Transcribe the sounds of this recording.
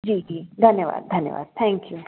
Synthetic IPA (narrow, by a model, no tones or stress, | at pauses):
d͡ʒiːd͡ʒiːd̪ʱɐnjəʋa̰ːd̪̚d̪ʱɐnjə̰ʋa̰ːd̪̥̚t̪ʰɛ̃ːŋkju